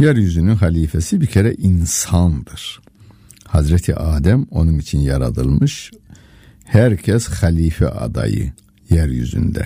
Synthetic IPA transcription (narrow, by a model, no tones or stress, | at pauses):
jæɾjyzynynχæliːfæsibicʰeɾæʔinsɑnd̪ɯɾ̥ | hɑzɾæt̪ʰḭʔɑːd̪æmo̞nunit͡ʃʰinjɑɾɑd̪ɯlˠmɯʃ | hæɾcʰæsχæliːfæ̰ʔɑ̰d̪ɑ̰jɯ̰ | jæɾjy̰zy̰nd̪æ̰